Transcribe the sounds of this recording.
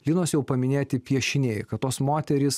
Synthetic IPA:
lʲɪːnoːsjɛʊpɐmʲɪnʲeːt̪ʲɪpʲiɛʃʲɪnʲeːjkɐt̪t̪oːsmoːt̪ʲɛɾʲɪs

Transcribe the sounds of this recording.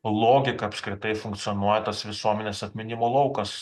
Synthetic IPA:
lˠoːɡʲɪkɐɐpskɾʲɪt̪ɐɪfʊŋkt̪sʲɪjɔnuɔjɛt̪ɐsʋʲɪsuɔmʲɛnʲeːsɐt̪ʲmʲɪnʲɪmoːlˠɐʊkɐs

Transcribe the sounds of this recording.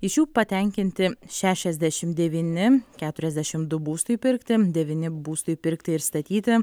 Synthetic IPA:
ɪʃjuːpɐt̪ʲɛŋʲkʲɪnʲt̪ʲɪʃʲæːʃʲɛzʲd̪ʲæʃʲɪmd̪ʲɛʋʲiːnʲɪkʲæːt̪ʊɾʲɛzʲd̪ʲæʃʲɪmd̪ʊbuːst̪ʊipʲɪɾkt̪ʲɪd̪ʲɛʋʲiːnʲɪbuːst̪ʊɪpʲɪɾkt̪ʲɪɪɾst̪ɐt̪ʲiːt̪ʲɪ

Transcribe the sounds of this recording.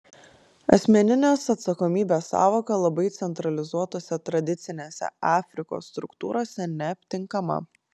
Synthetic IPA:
ɐ̰sʲmʲɛnʲɪnʲesɐt̪sɐkɔmʲiːbʲeːsɑ̰ːʋoːkɐlˠɐbɐɪt̪sʲɛnt̪ɾɐlʲɪzuɔt̪oːsʲɛt̪ɾɐd̪ʲɪt̪sʲɪnʲeːsʲɛ̰ɑːfʲɾʲɪko̰ːsːt̪ɾʊkt̪ṵːɾoːsʲɛnʲɛɐpʲt̪ʲɪŋkɐmɐ̰

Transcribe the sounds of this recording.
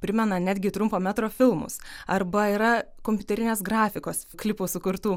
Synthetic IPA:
pʲɾʲɪmʲɛnɐnʲæːd̪ʲɡʲɪt̪ɾʊmpoːmʲæːt̪ɾoːfʲɪlˠmʊ̰sɐrbɐiɾɐkomʲpʲʊt̪ɛɾʲɪnʲeːsɡɾɑːfʲɪkoːsklʲɪpoːsʊkʊɾt̪uː

